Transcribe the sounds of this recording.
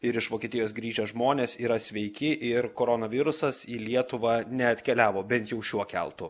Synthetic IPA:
ɪɾɪʃʋoːkʲiɛt̪ʲɪjoːsɡɾʲiːʒʲoːʒmoːnʲeːsiːɾɐsʲʋʲɛɪkʲɪʔɪɾkoːɾoːnɐʋʲɪɾʊsɐsiːlʲiɛt̪ʊʋɐnʲɛɐt̪ʲkʲɛlʲæːʋoːbʲɛnt̪jɛʊʃʲuɔkʲɛ̰lˠt̪ʊ

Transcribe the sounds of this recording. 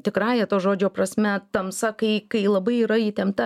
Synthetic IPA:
t̪ʲɪkɾɑːjɛt̪oːʒoːd͡ʒʲoːpɾɐsʲmʲɛt̪ɐmsɐkɐɪkɐɪlˠɐbɐɪiːɾɐit̪ʲɛmt̪ɐ

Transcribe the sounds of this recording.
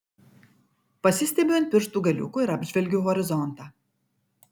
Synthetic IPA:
pɐsʲɪsʲt̪ʲɛbʲɪjɔnt̪̚ʲpʲɪɾʃt̪uːɡɐlʲʊ̰kuːɪɾɐbʲʒʲʋʲɛlʲɡʲuːɦɔɾʲɪzɔnˑt̪ɑː

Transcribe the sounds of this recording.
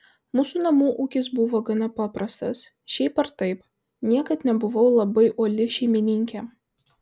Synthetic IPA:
muːsunɐmuːʔuːkʲɪs̬bʊʋoːɡɐnɐpɑːpɾɐst̪ɐs | ʃʲɛɪpɐɾt̪ɐɪp | nʲiɛkɐt̪nʲɛbʊʋɐʊlˠɐbɐɪʔoːlʲɪʃʲɛɪmʲɪnʲɪŋʲkʲɛ

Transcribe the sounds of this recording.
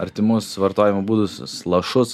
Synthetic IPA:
ɐɾʲt̪ʲɪmʊsʋɐɾt̪oːjɪmobuːd̪ʊsʲʊ̰slˠɐʃʊs

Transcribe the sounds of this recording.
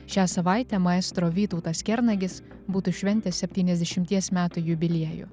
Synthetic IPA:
ʃʲæːsɐʋɑˑɪt̪ʲɛmɐɛst̪ɾoːʋʲiːt̪ɔʊt̪ɐskʲɛɾnɐɡʲɪs | buːt̪ʊʃʲʋʲɛnʲt̪ʲɛssʲɛpʲt̪ʲiːnʲɛzʲd̪ʲɛʃʲɪmʲt̪ʲiɛsmʲæːt̪ujʊbʲɪlʲiɛjʊ̰

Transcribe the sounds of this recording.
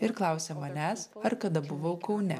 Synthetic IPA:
ɪɾklˠɐˑʊsʲɛmɐnʲæːsɐɾkɐd̪ɐbʊʋɐʊkɐʊnʲɛ

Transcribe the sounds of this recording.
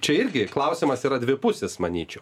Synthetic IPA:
t͡ʃʲɛɪɾʲɡʲɪklˠɐʊsʲimɐsiːɾɐd̪ʲʋʲɪpʊsʲɛsmɐnʲiːt͡ʃʲɛʊ

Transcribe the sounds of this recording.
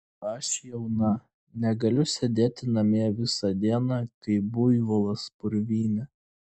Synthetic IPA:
ɐʃjɛʊnɐ | nʲɛɡɐlʲʊsʲɛd̪ʲeːt̪ʲɪnɐmʲeːʋʲɪsɐd̪ʲiɛnɑkɐɪbʊjʋɔlˠɐspʊɾʲʋʲiːnʲɛ

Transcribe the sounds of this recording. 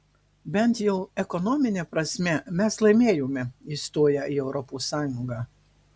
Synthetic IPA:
bʲɛnt̪jɛʊɛkɔnɔmʲɪnʲɛpɾɐsʲmʲɛmʲɛslˠɐɪmʲeːjoːmʲɛiːst̪oːjɛʔiːɛʊɾɔpuːsɑːjʊŋɡɑː

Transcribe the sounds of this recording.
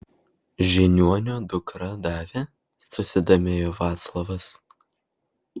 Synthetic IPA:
ʒʲɪnʲuɔnʲoːd̪ʊkɾɐd̪ɑːʋʲeː | sʊsʲɪd̪omʲeːjoːʋɑːt̪slˠɐʋɐs

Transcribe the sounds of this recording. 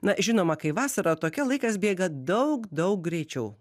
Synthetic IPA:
nɐʒʲɪnoːmɐkɐɪʋɑːsɐɾɐːt̪oːkʲɛlˠɐɪkɐsbʲeːɡɐd̪ɐʊkd̪ɐʊk̚ɡɾʲɛɪt͡ʃʲɛʊ

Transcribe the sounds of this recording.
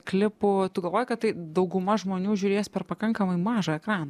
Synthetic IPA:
klʲɪpʊt̪ʊɡɐlˠʋoːjʊkɐt̪t̪ːɐɪd̪ɐʊɡʊmɐʒmoːnʲuːʒʲʊːɾʲeːsʲpʲɛrpɐkɐŋkɐmɐɪmɑːʒɐɛkɾɑːnɐ

